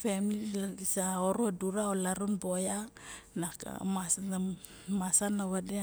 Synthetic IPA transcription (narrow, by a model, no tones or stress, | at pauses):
femililaɡisaoɾuaduɾaolaɾunbojanaka̰masana | masanaβade